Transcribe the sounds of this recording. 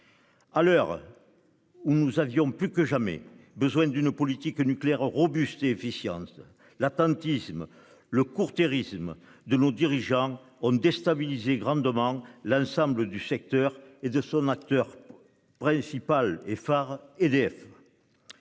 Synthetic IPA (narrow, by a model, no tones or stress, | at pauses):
alœʁ | unuzavjɔ̃plykəʒamɛ̰bəzwɛ̃nd̪ynəpɔlit̪iknykleɛʁəʁɔbyst̪eɛfisjɑ̰̃t̪ | lat̪ɑ̃t̪ism | ləkuʁt̪eʁisməd̪ənod̪iʁiʒɑ̃ | ɔ̃d̪ɛst̪abilizeɡʁɑ̃d̪əmɑ̃lɑ̃sɑ̃mbləd̪ysɛk̚t̪œʁed̪əsɔ̃nak̚t̪œʁ | pχɛ̃sipalefaʁed̪eɛf